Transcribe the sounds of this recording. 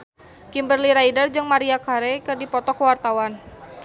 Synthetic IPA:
kimbərliɾaidərd͡ʒɨŋmaɾiakaɾɛkɨrdipɔt̪ɔkwart̪awan

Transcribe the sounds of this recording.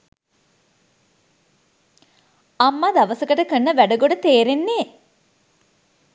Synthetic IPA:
amːad̪aʋəsəkəʈəkənːəʋæɖəɡoɖət̪eːɾenːeː

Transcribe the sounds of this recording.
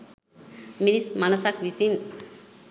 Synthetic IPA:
minismanɐsakʋisin

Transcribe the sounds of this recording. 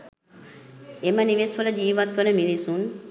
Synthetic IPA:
eməniʋesfələd͡ʒiːʋat̪ʋənəmilisun

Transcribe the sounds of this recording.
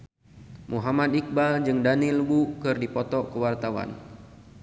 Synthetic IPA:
mʔuɦamat̪̚ik̚bad͡ʒɨŋdanilbukɨrdipɔt̪ɔkəwart̪awa̰n

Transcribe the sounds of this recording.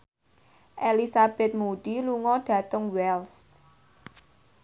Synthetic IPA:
ʔelisab̥ɛt̪̚muɖ̥iluŋɔɖ̥ä̤t̪əŋwɛls

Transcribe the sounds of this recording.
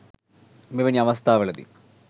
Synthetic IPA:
miʋɐniɐmɐst̪aːʋɐɭɐd̪ḭ

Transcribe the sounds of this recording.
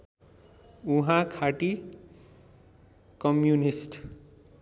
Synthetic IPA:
uɦãkʰaʈi | kʌmjunisʈ

